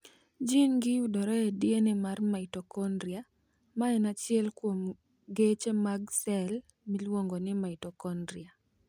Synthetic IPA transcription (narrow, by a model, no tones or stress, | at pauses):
d͡ʒinɡɪjudɔɾɔedjenɪmarmaɪtɔkɔndɾia | maɛnat͡ʃɪɛlkwom | ɡet͡ʃemaɡsɛl | milwoŋɡonɪmaɪtɔkɔndɾia